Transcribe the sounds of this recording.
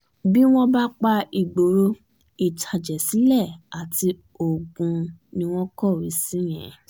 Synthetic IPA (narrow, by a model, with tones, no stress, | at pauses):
bi˦w̃ɔ̃˦ba˦k͡pa˧i˨ɡ͡bo˨˦ɾo˦ | i˦˨tʰa˧d͡ʒɛ˨si˨˦lɛ˦˨a˨ti˧ | o˨ɡũ˧nĩ˧w̃ɔ̃˦kɔ˦˨ɾi˨˦sĩ˨˦j̃ɛ̰̃˨